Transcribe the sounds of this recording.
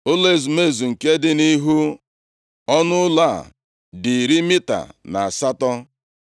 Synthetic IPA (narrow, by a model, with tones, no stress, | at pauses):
o˦le˦˨zu˨me˦˨zu˨ŋ̩˨ke˦dɪ˦ni˦ɦu˦ | ɔ˦nʊ˦la˦˨ | dɪ˨ɾi˦mi˦ta̰˨na˨a˨sa˦tɔ˦